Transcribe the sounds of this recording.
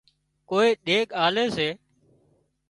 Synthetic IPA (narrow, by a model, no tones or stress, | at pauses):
koːeːɗeːkaːleːseː